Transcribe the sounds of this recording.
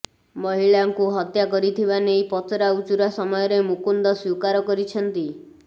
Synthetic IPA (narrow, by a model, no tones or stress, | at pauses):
mɔɦiɭaŋkuɦɔt̪jakɔɾit̪ʰibanejpɔt̪ɾaut͡ʃuɾasɔmɔjɔɾemukund̪ɔswukaɾɔkɔɾit͡ʃʰɔnt̪i